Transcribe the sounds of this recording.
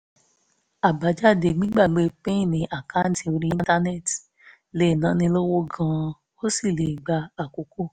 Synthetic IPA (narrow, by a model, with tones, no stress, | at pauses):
a˨ba˨d͡ʒa˦˨de˨ɡ͡bĩ˦ɡ͡ba˦˨ɡ͡be˨pẽ˦˨nĩ˨ʔa˨ka˦n̩˦ti˨o˨ɾi˦ta˦ne˦˨t | le˨nã˨˦nĩ˧lo˦wo˦ɡã˨˦ | o˦si˦˨le˨ɡ͡ba˧a˨ko˨ko˦˨